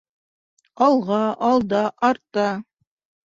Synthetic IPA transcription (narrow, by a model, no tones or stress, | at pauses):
ɑlˠʁɑʔɑlˠd̪ɑʔɑɾt̪ɑ